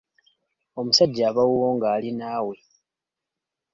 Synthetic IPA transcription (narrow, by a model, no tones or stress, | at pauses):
o̞musaɟːaːβawuwo̞ːŋɡaːlinaːwe̞